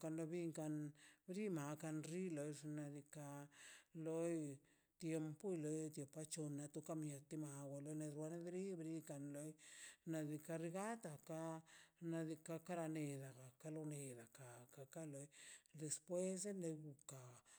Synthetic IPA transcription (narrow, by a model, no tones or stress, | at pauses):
kanloβiŋkanbɾimakanɾilojɾnaðika | loj | t̪jempoilojt̪jepat͡ʃonat̪ukamiat̪imawalojnaɾwanaðɾibɾikanlojnaðikaɾiɣat̪akanaðikakaɾaneðakakaloneðakakakalojd̪espwes̬enojɡuka